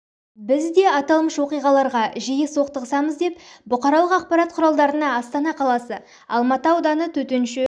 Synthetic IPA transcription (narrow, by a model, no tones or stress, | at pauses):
bɪzd̪e̞ɑt̪ɑlˠməʃwo̞qijʁɑlˠɑɾʁɑʒijɪso̞q̚t̪əʁəsɑməzd̪e̞pbʊqɑɾɑlˠəqɑq̚pɑɾɑt̪̚qʰʊɾɑlˠd̪ɑɾənɑɑst̪ɑnɑqʰɑlˠɑsə | ɑ̰lˠmɑt̪əwd̪ɑnət̪ʰɵt̪enʃɪ